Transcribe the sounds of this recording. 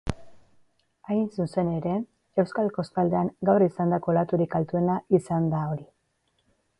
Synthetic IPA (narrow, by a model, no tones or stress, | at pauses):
ajnsuse̞ne̞ɾe̞ | e̞wskalko̞stald̪e̞aŋɡawrisand̪ako̞lat̪uɾikalt̪ue̞naisand̪ao̞ɾi